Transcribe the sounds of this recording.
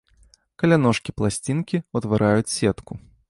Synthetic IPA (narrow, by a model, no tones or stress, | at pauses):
kɐlʲanɔʂkʲiplˠasʲt͡sʲinkʲiut̪vaɾʔajut͡sʲsʲɛt̪ku